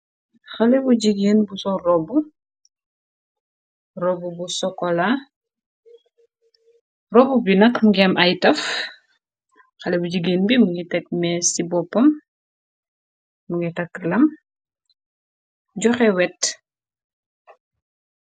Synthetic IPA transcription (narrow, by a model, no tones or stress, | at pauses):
xɐlɛbuɟiɡeːnbusɔrɔbu | rɔbubusɔkɔla | rɔbubinɐkmuŋɡɛmʔɐjtɐf | xɐlɛbuɟiɡeːnbimuŋɡitɛk̚mɛsibɔpːɐm | uŋɡitɐkːlɐm | ɟɔxɛwɛt